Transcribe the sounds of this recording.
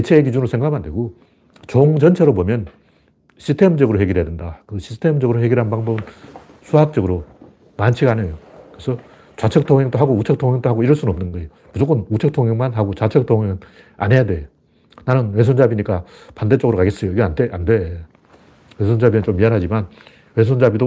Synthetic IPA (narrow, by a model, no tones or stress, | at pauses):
et͡ɕʰeːkid͡ʑunɯɭsʰe̞ŋɡaɡmandwe̞ɡo | t͡ɕoŋd͡ʑʌnt͡ɕʰeɾobomjʌn | ɕʰistʰe̞md͡ʑʌɡɯɾoɦe̞ɡiɾɦedwendakɯɕʰi̥stʰe̞md͡ʑʌɡɯɾohe̞ɡiɾɦanbaŋbʌbɯn | sʰuɦak̚t͡ɕ͈ʌɡɯɾo | mant͡ɕʰiɡanejokɯesʰʌ | t͡ɕat͡ɕʰʌk̚tʰoŋɦeŋt͈oɦaɡout͡ɕʰʌk̚tʰoŋjeŋt͈oɦaɡoiɾʌɭs͈unʌmnɯnɡʌejomud͡ʑok͈ʰʌnut͡ɕʰʌk̚tʰoŋjeŋmanɦaɡot͡ɕat͡ɕʰʌk̚tʰoŋɦeɡɯn | a̰ne̞jadwe̞ | nanɯnwes̬ʰond͡ʑabiɲik͈a | pandet͡ɕ͈ʌɡɯɾokʰaɡes͈ʌjoiɡeantʰeʔande | wesʰond͡ʑabinɯnt͡ɕomːianɦad͡ʑiman | we̞sʰond͡ʑabido